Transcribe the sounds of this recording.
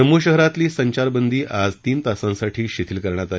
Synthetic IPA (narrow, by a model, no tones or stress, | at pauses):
əmuɕəɦɾat̪liːsəɲt͡ɕaɾbənd̪iːʔad͡zt̪iːnt̪asãsaʈʰiːɕit̪ʰiːlkəɾɳjat̪a